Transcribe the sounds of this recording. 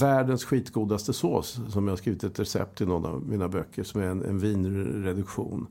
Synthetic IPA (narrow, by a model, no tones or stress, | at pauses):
væːɖənsɧiːt̪ɡuːd̪ast̪əso̰ːsːɔmjahaʂkɾiːvɪt̪ɛt̪ɾɛsɛ̰p̚t̪ʰɪnɔnːa̰vmiːnabœkʰːəʂɔmæɾɛnɛ̰nviːnɾɛd̪ɵkɧṵːn